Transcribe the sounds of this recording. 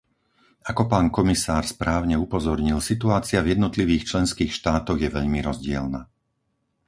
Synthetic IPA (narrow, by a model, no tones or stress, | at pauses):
akɔpaːnkɔmisaːɾspɾaːʊɲɛupɔzɔɾɲilsit̪uaːt͡sɪavjɛd̪nɔt̪liʋiːxt͡ʃlɛnskiːxʃt̪aːt̪ɔɣjɛʋɛʎmiɾɔzɟɪɛ̰lna